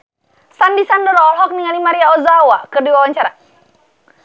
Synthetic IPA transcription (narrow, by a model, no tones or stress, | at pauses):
sandisandəɾɔlɦɔk̚niŋalimaɾiaɔzawakərdiwawaɲt͡ʃaɾa